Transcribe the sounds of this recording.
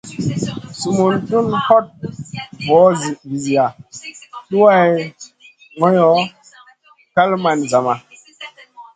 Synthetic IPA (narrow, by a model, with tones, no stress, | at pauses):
su˨mu˨ntu˦nhɔ˦t̚bɔ˨˦zi˨vi˨zi˨ja˨ | ɗu˦wa˦˨j | ŋɔ˦jɔ˨˦ | ka˦lma˨nza˨ma˨